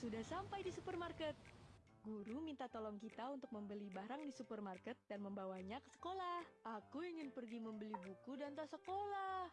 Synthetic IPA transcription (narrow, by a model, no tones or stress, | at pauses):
sudahsampajdisupərmarkət̪̚ | ɡuɾumint̪at̪olɔŋkit̪aunt̪ʊk̚məmbəlibaɾaŋdisupərmarkət̪̚danməmbawaɲakə̥sə̥kolahʔakuiŋɪnpərɡiməmbəlibukudant̪asəkolah